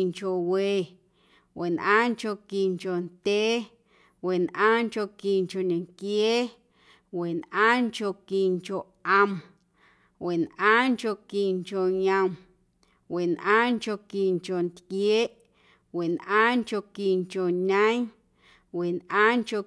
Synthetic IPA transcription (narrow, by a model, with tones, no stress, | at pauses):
ŋko˨we˨ | wʔe˨nʔãː˦ŋko˧˨ki˨ŋko˨nt̪ʲeː˦ | we˨nʔãː˦ŋko˧˨ki˨ŋko˨ɲẽ˨ŋkjeː˦ | we˨nʔãː˦ŋko˧˨ki˨ŋkʲo˨ʔa˧m | we˨nʔãː˦ŋkʲo˧˨ki˨ŋko˨ɲə̃˧m | we˨nʔãː˦ŋko˧˨ki˨ŋko˨nt̪kjeː˦ʔ | we˨nʔãː˦ŋko˧ki˨ŋko˨ɲə̃˦ɲ | we˨nʔãː˦ŋko˧